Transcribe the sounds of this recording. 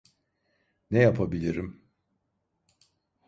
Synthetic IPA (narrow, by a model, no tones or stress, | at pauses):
nɛjapʰabilʲiɾim